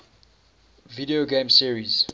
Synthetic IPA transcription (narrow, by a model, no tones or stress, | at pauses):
viɾioɡẽmsiəɹiz̥